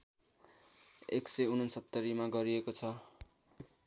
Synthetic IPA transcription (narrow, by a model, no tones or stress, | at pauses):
eksʌjunʌnsʌt̪ːʌɾimaɡʌɾiekot͡sʰʌ